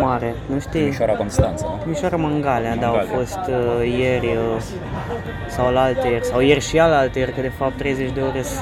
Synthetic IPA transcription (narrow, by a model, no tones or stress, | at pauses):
maɾenuʃt̪iʃaɾakonst̪ant̪səmiʃoaɾəməŋɡalead̪aafo̞st̪jerʲ | sawalalt̪eerʲsawjerʲʃialalt̪ejerʲkəd̪e̞fap̚t̪ːɾe̞jze̞t͡ʃd̪e̞o̞ɾe